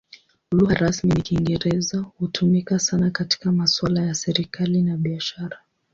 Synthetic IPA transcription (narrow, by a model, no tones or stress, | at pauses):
uluhaɾasminikiŋɡɛɾɛzahutʰumikasanakati̥kamaswalajasɛɾikalinaɓiaʃaɾa